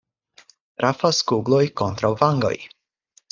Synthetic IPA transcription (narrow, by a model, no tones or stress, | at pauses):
ɾʔafaskuɡlojko̞nt̪ɾawvaŋɡo̞̰j